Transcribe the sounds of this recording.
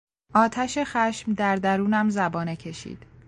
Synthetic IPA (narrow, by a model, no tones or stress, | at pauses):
ʔɒːt̪ʰæʃexæʃmd̪æɾd̪æɾuːnæmzæbɒːnecʰe̞ʃḭːd̪̥